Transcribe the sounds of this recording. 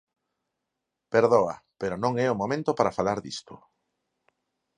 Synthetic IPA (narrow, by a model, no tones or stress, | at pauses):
peɾðoɐ̰peɾonõŋɛʊmomẽnt̪opaɾafalaɾðist̪ʊ